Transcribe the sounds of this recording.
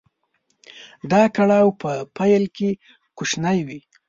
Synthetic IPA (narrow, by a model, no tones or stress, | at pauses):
d̪ɑkaɽawpəpajlke | kuʃnajwi